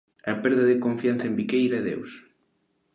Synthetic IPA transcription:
ɐpeɾðɐðekoɱfjan̟θɐembikejɾɐɛðḛws

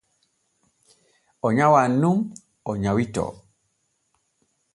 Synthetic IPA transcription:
ɔɲawanːum | ɔɲawitɔ̰

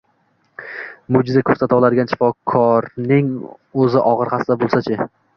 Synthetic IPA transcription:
mʊd͡ʒɪzakʰɵɾsat̪awlaɾɪɡʲanʃɪ̥fɒkʰɒɾnɪŋ | ɵzɪʔɒʁɨɾχɑsɪd̪abolˠsat͡ʃʰɪ

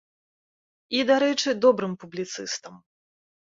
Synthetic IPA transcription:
id̪aɾɛt͡ʂɨd̪ɔbɾɨmpublʲit̪sɨst̪ɐm

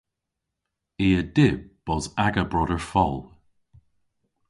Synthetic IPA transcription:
iːədɪb̥̚ːɔzaɡəbɹɔdəɹfɔlˠ

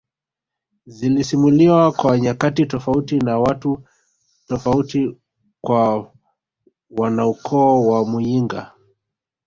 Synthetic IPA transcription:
zilisimuliwakwaɲakatitɔfautinawatu | tɔfauti | kwa | wanaukʰɔwamujiŋɡa̰

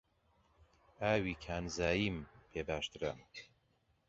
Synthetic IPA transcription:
aːwiːkʰaːnzaːjiːmpʰeːbaːʃt̪ɨɾɐ̰m

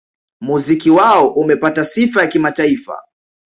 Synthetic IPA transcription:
muzikiwaɔʔumɛpatasifajakimataifa̰

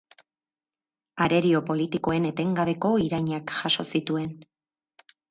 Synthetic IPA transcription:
aɾe̞ɾio̞po̞lit̪iko̞e̞ne̞t̪e̞ŋɡaβe̞ko̞iɾajɲakʝaʃo̞sit̪ue̞n

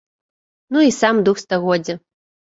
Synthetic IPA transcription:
nuisamd̪uxst̪aɣɔd͡zʲɐ

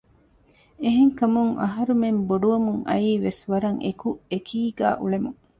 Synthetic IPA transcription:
eɦeŋkɐmuŋʔɐ̰ɦɐɾumemboɖuʋɐmuŋɐ̰iːʋesʋɐɾɐŋʔḛkuekʰiːɡæ̰ːʔuɭemuŋ

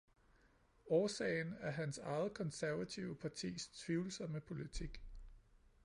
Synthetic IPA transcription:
ɒːsɛ̰ɪnæɐɦænsɑ̈ɪð̩ˠkʰɒ̽nsæɐʋæt͡sʰiʊəpʰɑ̈t͡sʰḭːst͡sʰʋiʊl̩sɐməpʰo̝lit͡sʰiɡ̥

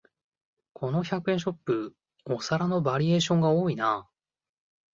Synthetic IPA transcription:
kʰo̞no̞çakɯ̟ẽɕo̞pːɯ | osaɾano̞baɾʲie̞ːɕõ̞ŋɡaoːina

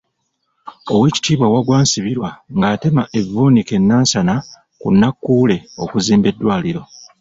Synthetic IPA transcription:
o̞we̞ːci̥tiːβwawaɡwaːnsiβiɾwaŋɡaːte̞maʔe̞vuːnike̞nːaːnsana | kunːakːuːle̞o̞̰kuziːmbe̞dːwaːliɾo̞

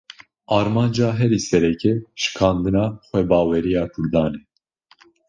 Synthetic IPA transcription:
ɑːɾmɑːnd͡ʒɑːɦɛɾiːsɛɾɛkʰɛʃɨ̥kʰɑːnd̪ɨnɑːxʷɛbɑːwɛɾijɑːkʰuɾd̪ɑːnɛ

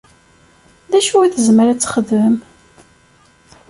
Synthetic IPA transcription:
ðæʃuæθəzməɾæt͡sːχəðməm

